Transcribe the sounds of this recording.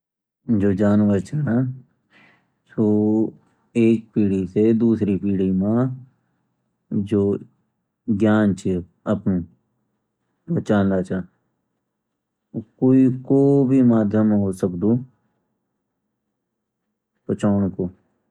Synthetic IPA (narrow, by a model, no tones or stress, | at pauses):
d͡ʒoːd͡ʒaːnʋəɾt͡ʃʰa | soː | eːk̚piːɽised̪uːsɾipiːɽimã | d͡ʒoː | ɡjaːnt͡ʃʰe | əpnu | bət͡ʃaːnlaːt͡ʃaː | koːikoːbʱimaːd̪ʱjəmɦoːsəkd̪ũː | pət͡ʃaːɳ̃koː